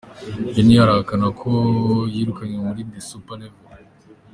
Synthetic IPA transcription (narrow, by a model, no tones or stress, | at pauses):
d͡ʒenijaɾaakanakʰojiɾukaɲemuɾind̪isupalevel